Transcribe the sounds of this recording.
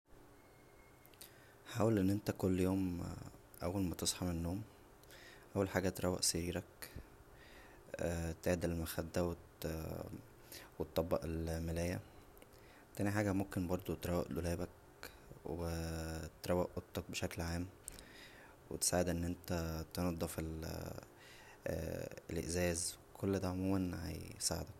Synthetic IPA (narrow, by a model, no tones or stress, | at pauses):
ħaːwælʔenːʔent̪ækolːjoːm | ʔæwːælmæt̪esˤħɑmenːoːm | ʔæwːælħaːɡæt̪ɾˤʔæwːḛʔseɾiːɾæk | t̪eʕed̪elmæxæd̪ːæwe | wet̪ˤːɑbːɑ̰ʔelmelæːjæ | t̪æːniħaːɡæmomkenbɑɾˤd̪ˤot̪ɾˤæwḛʔlo̰læːbæk | wet̪ɾˤæwːæʔʔot̪ˤːɑk̚beʃæklʕaːm | wḛt̪saːʕed̪ʔenːʔent̪æt̪enɑd̪ˤːɑfel | elʔḛʔzæːzwkʰolːd̪æʕomuːmænhæ̰jsaːʕḛd̪æk̚